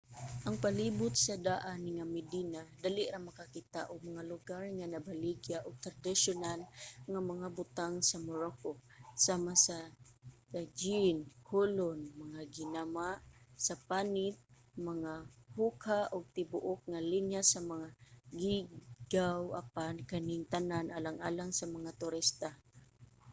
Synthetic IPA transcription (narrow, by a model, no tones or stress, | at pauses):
ʔaŋpalibʊt̪̚sad̪aʔanŋamɪd̪inad̪alɪʔɾamakakit̪a̰ʔʊɡ̚maŋalʊɡarŋanabaliɡjaʔʊɡ̚t̪ɾad̪ɪʃʊnalŋamaŋabʊt̪aŋsamoɾokosamasa | d͡ʒinkʰolonmaŋaɡɪnamaʔsapanɪt̪̚ | maŋahukʰaʔʊɡ̚t̪ɪbʊʔʊk̚ŋalinjasamaŋaɡiɡawa̰pankanɪŋt̪ananʔalaŋʔaːlaŋsamaŋat̪ʊɾist̪a